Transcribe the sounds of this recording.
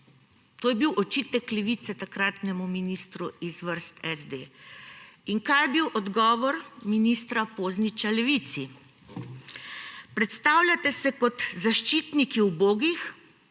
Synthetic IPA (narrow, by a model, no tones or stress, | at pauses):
t̪oːjɛbiwʔɔt͡ʃit̪ɛklɛʋiːt̪sɛt̪akɾaːt̪nɛmuminist̪ɾuizʋəɾst̪ɛzd̪e | iŋkajɛbiwʔɔd̪ɡɔːʋɔɾminist̪ɾapoːznit͡ʃalɛʋit̪si | pɾɛt̪st̪aːwlʲjat̪ɛsɛkɔt̪zaʃt͡ʃiːt̪nikiwboːɡix